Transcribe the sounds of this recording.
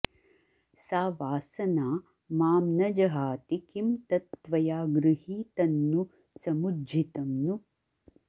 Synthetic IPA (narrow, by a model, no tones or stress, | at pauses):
saːʋaːsɐnaː | maːmnɐd͡ʒɐɦaːt̪ikimt̪ɐt̪ʋɐjaːɡɾuɦiːt̪ɐnːu | sɐmudd͡ʒit̪ɐmnu